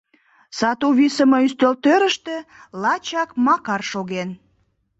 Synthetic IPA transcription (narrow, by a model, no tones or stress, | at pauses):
sɑt̪uβisə̆məyst̪ølt̪øɾəʃt̪ĕlɑt͡ɕɑkmɑkɑrʃoɣen